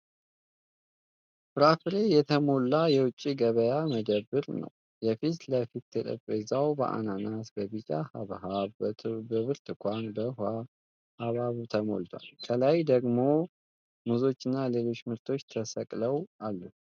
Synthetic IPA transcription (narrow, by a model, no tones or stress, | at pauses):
fɨɾafɾe̞jɛt̪ʰəmo̞lːajɛwʊt͡ʃʼːiɡəβəjaməd̪əbɨɾnə̰w | jɛfit̪ləfit̪ːɨt̪ʼɨ̰pʼezawbə̰ʔa̰nanat̪bəβit͡ʃʼahaβɦa | bəβɨɾt̪ɨkʷanbəha | haβaβt̪ʰəmo̞̰lt̪ʰwa̰lkʰəlajd̪əɡmo̞ | muzo̞t͡ʃːɪnːale̞lo̞t͡ʃːmɨɾt̪ʰo̞t͡ʃːt̪ʰəsəkʼləwʔalːu